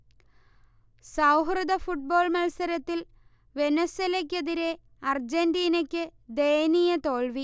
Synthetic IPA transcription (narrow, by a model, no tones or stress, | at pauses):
sɐwɦrɨd̪ɐfuʈ̚bo̞ːɭmɐlsɐɾɐt̪ːil | ʋe̞neselek̬ʲːeðiɾe̞ | ɐrd͡ʑendiːnɐkʲːɨd̪ejnijɐt̪o̞ːɭʋi